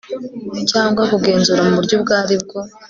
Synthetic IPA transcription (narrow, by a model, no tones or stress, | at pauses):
caːŋɡwakuɡe̞ːnzuɾamuβuɾɟob̚ɡaːɾib̚ɡo̞